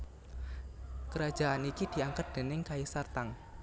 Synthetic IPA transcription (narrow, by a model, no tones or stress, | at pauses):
kəɾḁd͡ʒ̥a̤ʔanikid̪̥i̤aŋkat̪̚d̪̥e̤nɪŋkaisart̪aŋ